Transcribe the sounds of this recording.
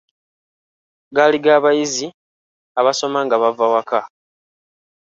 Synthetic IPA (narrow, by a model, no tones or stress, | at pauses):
ɡaliɡaːβajizi | aβaso̞maŋɡaβavawaka